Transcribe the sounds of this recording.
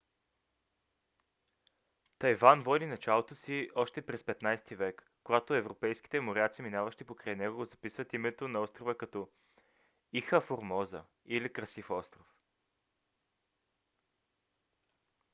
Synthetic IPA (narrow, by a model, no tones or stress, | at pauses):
t̪ɐjvanvɔd̪inɐt͡ʃalˠot̪osiɔʃt̪ɛpɾɛspɛt̪najst̪ivɛkːoɡat̪oɛvɾopɛjsk̟i̥t̪ɛmoɾʲat̪siminavɐʃt̪ipokɾajnɛɡoɡozɐpisvət̪imɛt̪onɐɔst̪ɾovəkɐt̪ɔ | ixəfoɾmɔzə̰ | ilikɾɐsifɔst̪ɾof